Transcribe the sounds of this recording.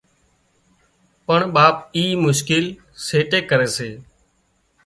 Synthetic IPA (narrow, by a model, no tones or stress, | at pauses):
pəɳɓaːp̚iːmʊʃkɪl | seːʈeːkəɾeːseː